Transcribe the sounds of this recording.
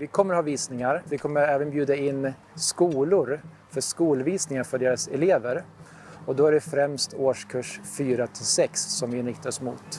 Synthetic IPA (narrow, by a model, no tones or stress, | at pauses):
vɪkʰɔmːəɾhɑːviːsnɪŋaɾvɪkʰɔmːəɾɛːvənbjʉːd̪aɪnː | skuːlʊɾ | fœʂkuːlviːsnɪŋaɾfœɖeːɾasɛleːvəɾ | ɔd̪ɔæɖɛfɾɛmst̪ʰoːʂkʰɵʂfyːɾat̪ʰɪlsɛksːɔmvɪɪnɾɪk̚t̪aɔsmṵːt̪